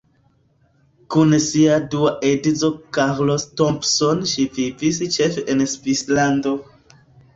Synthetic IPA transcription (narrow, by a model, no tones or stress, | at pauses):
kunsiaduaʔedit͡so̞kaʁlostompsonʃivivist͡ʃe̞feʔensvislando̞